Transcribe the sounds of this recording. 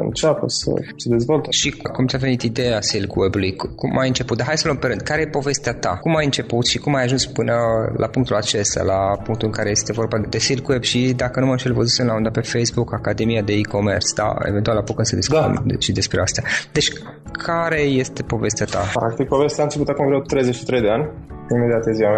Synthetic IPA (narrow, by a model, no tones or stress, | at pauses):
ɨ̰nt͡ʃapəsə̰səd̪ezvolt̪əʃikkumt̪ʲave̞nit̪id̪e̞asilɡwebulujkumʔajɨnt͡ʃe̞put̪̚d̪aɦajsələmpeɾɨnd̪̚kaɾe̞jepo̞ve̞st̪eat̪a̰kumajɨnt͡ʃe̞put̪ʃikumajaʒunspɨnəlʔa̰puŋk̚t̪ulat͡ʃe̞st̪ja̰lapuŋk̚t̪ulɨŋkaɾe̞je̞st̪e̞vo̞rbad̪e̞silkwebʃid̪akənumaʃelvozisɨnlaund̪ape̞fejsbukakad̪e̞mijad̪e̞iko̞me̞̰rsd̪a̰ḛvent̪ualapokɨnsəd̪isk̪ṵmʃid̪e̞spɾeast̪ead̪e̞t͡ʃʲ | kʰaɾe̞je̞st̪e̞po̞ve̞st̪eat̪a̰pɾak̚t̪ik̚po̞vest̪eant͡ʃeput̪akumvɾut̪ːɾejzet͡ʃʃi̥t̪ɾejd̪eanʲimed̪ʲiat̪eziam